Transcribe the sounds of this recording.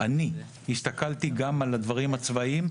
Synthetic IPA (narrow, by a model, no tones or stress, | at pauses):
ani | hist̪akalt̪iɡamalad̪vaʁimat͡svaim